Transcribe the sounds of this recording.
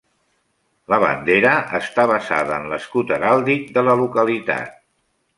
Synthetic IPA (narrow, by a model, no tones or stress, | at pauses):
ləβə̰nd̪eɾəʔəst̪aβ̞əza̰ðəːnləskut̪əɾalˠd̪ik̚d̪ələlukəlit̪a̰t̪̚